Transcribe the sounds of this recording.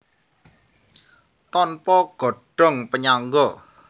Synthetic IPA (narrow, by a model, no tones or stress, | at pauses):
t̪ɔnpɔɡ̥ɔ̤ɖ̥ɔ̤ŋpəɲaŋɡɔ